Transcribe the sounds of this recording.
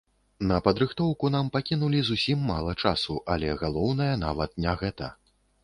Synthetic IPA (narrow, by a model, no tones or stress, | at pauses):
nɐpɐd̪ɾɨxt̪ɔwkunampakʲinulʲizusʲimːalˠɐt͡ʂasuʔalʲɛɣalˠɔwnɐjɐna̰vɐt̪nʲaɣɛt̪ɐ̰